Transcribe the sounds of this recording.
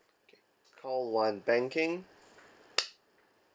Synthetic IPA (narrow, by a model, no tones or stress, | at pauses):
kʰɔlˠwãɪ̃nbæ̃ŋkɪ̃ŋ